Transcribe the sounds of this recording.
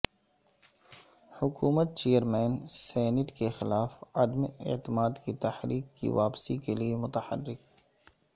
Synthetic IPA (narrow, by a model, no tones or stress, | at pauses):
hʊkuːmət̪̚t͡ʃeːjəɾmɛːnsɛːnɪʈkexɪlaːfad̪meḛt̪ɪmaːd̪kit̪ɐhɾiːkːḭʋaːpsikeliemʊt̪əhə̰rːɪk̚